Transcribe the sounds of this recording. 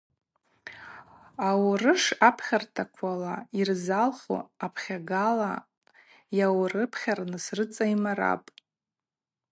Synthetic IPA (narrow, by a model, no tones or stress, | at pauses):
awrɨʂapʰχʲartʰakʷʰalairzalχo̰apʰχʲaɡala | jawrɨpʰχʲarnɨsrɨt͡sʼaimaɾa̰pʼ